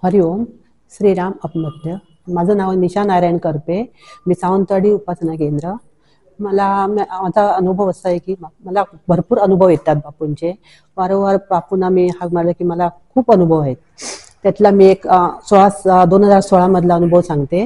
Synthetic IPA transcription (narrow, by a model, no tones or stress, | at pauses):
fəɾiom | ɕɾiːɾaməpməd̪ʱjə | mad͡zʱəːnaʋəniɕanajɾajɳkəɾpe | miːsant̪əɽiupasnak̬ẽnd̪ɾə | məlammad͡zʱaənubʱəʋəst̪ajekiːməlabʱəɾpuːɾənubʱəʋjet̪ːat̪̚bapunt͡ɕe | ʋəɾoʋəɾbapunamiːhaməɳaləkiːməlakʰuːpənubʱəʋɦet̪̚ː | jat̪ʰlamiːeksʋasd̪onɦəd͡zaɾsoɭaməd̪ʱlaənubʱəʋsãŋɡt̪e